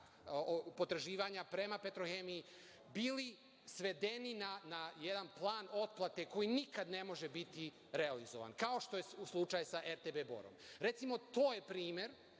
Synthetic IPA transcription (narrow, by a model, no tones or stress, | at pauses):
opo̞t̪ɾaʒiːʋaɲapɾe̞mape̞t̪ɾoxemijː | biːli | sʋe̞d̪e̞ninanaje̞d̪anplˠaːno̞t̪̚plˠat̪e̞ko̞jinikad̪ne̞mo̞ʒe̞bit̪i | ɾealizoʋa̰nkao̞ʃt̪o̞jeuslˠut͡ʃajesaʔeɾt̪ebeːbo̰ɾo̰mɾe̞t̪simo̞t̪o̞ːje̞pɾiːmje̞ɾ